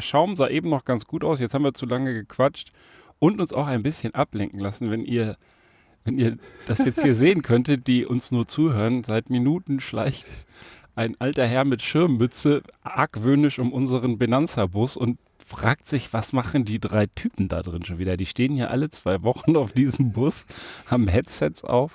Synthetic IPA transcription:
ʃaʊmzaːʔeːbm̩nɔχɡ̥ant͡sɡ̥uːtaʊs̬jɛt͡sthabm̩viːɐt͡sulaŋəɡəkʰv̥at͡ʃt | ʔʊntʊnsa̰ʊxaɪnbɪsçənʔaplɛŋkŋ̩lasn̩vɛnʔiːɐ | vɛniːɐd̥asjɛt͡stthiːɐzeːənkʰœntəd̥iːʔʊnsnuːɐt͡suːɦøːʁənzaɪtminuːtn̩ʃla̰ɪçtʔaɪnʔaltɐɦɛɐmɪtʃɪɐmːʏt͡səʔa̰kv̥øːnɪʃʊmʔʊnzəʁənbinant͡sɐbʊsʊnt | fʁ̥aːk̚tz̥ɪçv̥asmaχn̩diːdʁaɪtʰyːpm̩da̰ːdʁɪnʃoːnviːdɐdiːʃteːənjaːʔalət͡sv̥aɪvɔχn̩aʊfd̥iːzəm̩bʊshaːbm̩ɦɛtsɛtsʔa̰ʊf

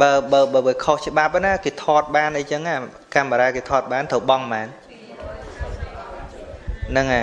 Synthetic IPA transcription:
ɓəːɓəːɓəːɓəːkʰoht͡ɕə̆ɓap̚ənakeːt̪ʰɔːt̪̚ɓaːnʔɨjt͡ɕəŋa | kamːəɾaːkeːt̪ʰɔːt̪̚ɓaːnt̪ʰəwɓɑŋmaːn | nɨŋa

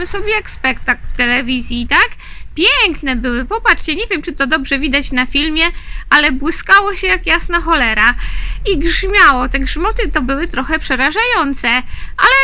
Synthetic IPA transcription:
sɔbʲjɛjakspɛkt̪aklft̪ɛlɛvʲizʲjit̪ak | pʲjɛŋknɛbɘwɘpɔpat͡ʂt͡ɕɛɲɛvʲjɛmt͡ʂɨt̪ɔd̪ɔbʐɛvʲid̪at͡ɕnafʲilmʲjɛalɛbwɘskawɔɕɛjakjasnaxɔlɛɾaiɡʐmʲjawɔt̪ɛɡʐmɔt̪ɘt̪ɔbɘwɘt̪ɾɔxɛpʂɛɾaʐajɔnt̪sɛalɛ

